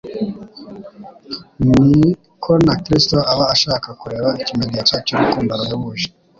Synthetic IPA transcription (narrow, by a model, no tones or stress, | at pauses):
ni | kʰonakɾisto̞aβaːʃaːkakuɾe̞ːβaicimenijacaːcoɾukuːmbaɾajoβuːʃi̥